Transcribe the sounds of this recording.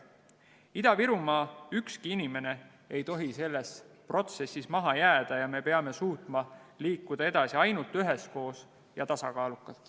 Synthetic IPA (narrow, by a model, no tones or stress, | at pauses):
id̪̥ɑviɾumɑːykskiinime̞ne̞ | e̞jt̪o̞ɦise̞lːe̞spro̞t̪se̞sːismɑɦɑjæːd̪̥ɑjɑme̞pe̞ɑme̞suːt̪mɑliːkːud̪̥ɑe̞d̪̥ɑsiɑjnult̪yɦe̞sko̞ːs | jɑt̪ɑsɑkɑːlukːˑɑl